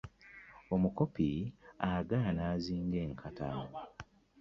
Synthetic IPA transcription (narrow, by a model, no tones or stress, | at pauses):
o̞muko̞piaɡanaːziːŋɡe̞ːŋkʰata